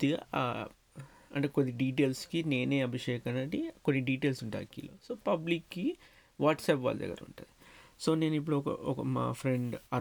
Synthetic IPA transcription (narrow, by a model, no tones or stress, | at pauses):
t̪iɡa | ɐ̰ɳʈeːkonːiɖiːʈ̬eːlskine̞ːne̞ːɐbʱiʂɛːkɐnɐʈikonːiɖiːʈe̞ːlsuɳʈa̰ːkːḭːlo̰ːsoːpɐblikːi | ʋaːʈsɛːpʋa̰ːld̪ɐ̰ɡːɐɾṵɳʈud̪iso̞ːne̞ːnip̬ːuɽuɔkɐ̰ɔkɐma̰ːpʰɾeɳɖɐ